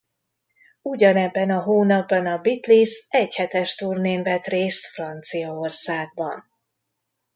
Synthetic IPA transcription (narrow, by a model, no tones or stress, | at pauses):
uɟɒnɛbːɛnɒɦoːnɒbːɒnɒbit̪lisɛchɛt̪ɛʃt̪uːrneːnvɛt̪reːst̪frɒnt̪sijɒorsaːɡ̚bɒn